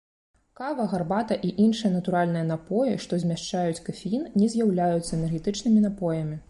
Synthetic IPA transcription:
kavɐɣarbat̪ɐʔiʔinʂɨjɐnɐt̪uɾalʲnɨjɐn̪apɔjɛʂt̪ɔzʲmʲaʂt͡ʂajut͡sʲkɐfʲinnʲɛzʲjawlʲajut̪sːɐɛnɛrɣʲɛt̪ɨt͡ʂnɨmʲinapɔjɐmʲi

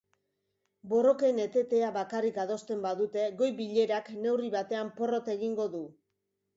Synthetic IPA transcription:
bo̞ro̞ke̞ne̞t̪e̞t̪e̞aβakarikað̞o̞st̪e̞mbaðut̪e̞ɣo̞jβiʎe̞ɾakne̞wriβat̪e̞ampo̞ro̞t̪e̞ɣiŋɡo̞ðu

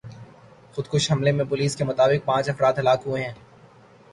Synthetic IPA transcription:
xʊd̪̚kʊʃɦɐmlemẽpʊliːskemʊt̪aːbɪq̚pãːt͡ʃɐfɾaːt̪ɦɐlaːkɦueɦɛ̃ː

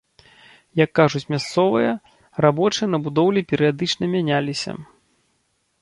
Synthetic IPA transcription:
jɐkːaʐut͡sʲmʲast̪sɔvɨjɐ | rabɔt͡ʂɨjɐnɐbud̪ɔwlʲipʲɛɾɨjad̪ɨt͡ʂnɐmʲanʲalʲisʲɐ̰

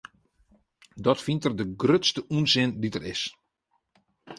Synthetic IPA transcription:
dɔtfintərdəɡrøtstəʔuənzɪnditərɪs

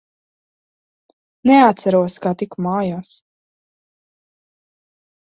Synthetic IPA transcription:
nɛat̪saɾuɔskat̪ikmaːjaːs

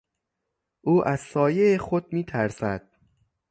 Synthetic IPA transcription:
ʔuːʔæz̥sɒːje̞exod̪̚miːt̪ʰæɾsæd̪̥

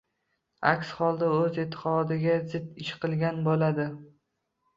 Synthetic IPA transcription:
a̰kʲsχɒlˠd̪aɵzɪt̪ʰːɪ̥qɒd̪ɪɡʲazɪd̪ɪʃqʰɨlˠɡʲanbolad̪ɪ

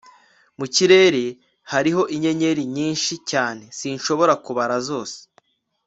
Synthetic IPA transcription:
muciɾe̞ːɾe̞ | haɾiɦo̞ʔiɲe̞ɲe̞ɾiɲiːnʃicaːne̞siːnʃo̞βo̞ɾakuβaɾazo̞ːse̥

